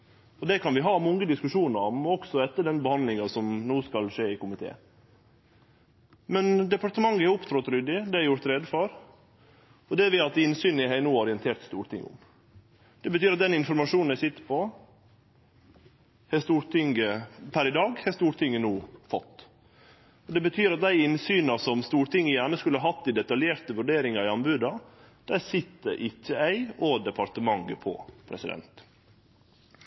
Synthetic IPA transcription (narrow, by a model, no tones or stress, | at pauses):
ɔd̪ɛkʰɑnʋɪɦɑːmɔŋːəd̪ɪskʉʂuːnəɾɑmɔɔksɔɛt̪ːəd̪ɛnbəhɑnd̪lɪŋɑsɔmnuːskɑlʂeːɪkʊmɪt̪ʰḛː | mɛnd̪ɛpɑɾʈ̪əmɑŋːəɛɾʊpt̪ʰɾɔt̪ɾʏd̪ɪd̪ɛæɾjʊɾt̪ɾɛd̪fɔɾ | ɔd̪ɛʋɪɑt̪ːɪnsyːnəɦæɪnuːɔɾɪənt̪ʰeːɾt̪st̪uːɾʈ̪ʰɪ̰ŋːʊ̰m | d̪ɛbət̪ʰyːɾɑt̪̚d̪ɛnɪnfɔɾmɑʂuːnæɪsɪt̪ːə̥pʰɔ | hɛst̪uːɾt̪ʰɪŋɡəpʰæɾɪd̪ɑːɡhɛst̪uːɾʈ̪ʰɪŋːənuːfɔt̪ː | ɔd̪ɛbət̪ʰyːɾɑt̪̚d̪æɪɪnsyːnɑsɔmst̪uːɾt̪ɪŋːəjæːɳəskʉləhɑɦhɑt̪ːd̪ɪd̪ɛt̪ɑljeːɾt̪əʋʉɖeːɾɪŋɑɾɪɑnbʉːd̪ɑ | d̪̥æsɪt̪ːə̰ʔɪçːəæɪoːd̪ɛpʰɑɾt̪əmɑŋːəpʰɔ̰pʰɾɛ̰sɪd̪ɛ̰nt̪